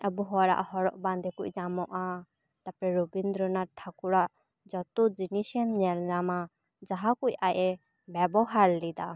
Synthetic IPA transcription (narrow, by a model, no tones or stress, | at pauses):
əbuɦɔɾa̰ʔhɔɾɔʔband̪ɛkucɲamɔʔa | t̪apɾɛɾubind̪ɾɔnaʈʰakuɾaʔ | d͡ʒɔt̪ud͡ʒinisɛnnɛlzama | d͡ʒaɦakucajɛ | bɛbɔɦaɾlid̪a